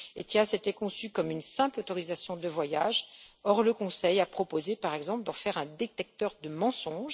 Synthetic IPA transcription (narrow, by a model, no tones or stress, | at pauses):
ḛt̪jaset̪ɛkɔ̃sykɔmynsɛ̃plot̪ɔʁizasjɔ̃d̪əvwajaʒɔʁləkɔ̃sɛjapχɔpozepaʁɛɡzɑ̃pld̪ɑ̃fɛʁɛ̃d̪et̪ɛk̚t̪œʁd̪əmɑ̃sɔ̃ʒ